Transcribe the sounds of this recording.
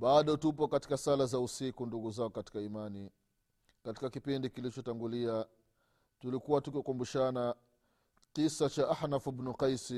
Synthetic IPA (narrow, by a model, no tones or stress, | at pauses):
ɓaɗɔtup̬ɔkati̥kasalazausikunduɡuzaɔkati̥kaimani | kati̥kakipindikilit͡ʃɔtaŋɡulia | tulikuwatukkumbuʃana | qisat͡ʃaʔahnafubnuqajsi